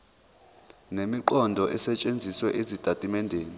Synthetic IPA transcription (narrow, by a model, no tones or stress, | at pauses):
nemiǃɔndʱɔʔɛsɛt͡ʃʼend͡zʱiswɛʔizitʼatʼimɛndʱeːni